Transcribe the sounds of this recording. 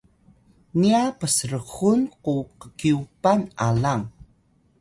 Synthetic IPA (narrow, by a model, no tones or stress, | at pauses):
niapəsəɾəɣunquqə̥kiupanalaŋ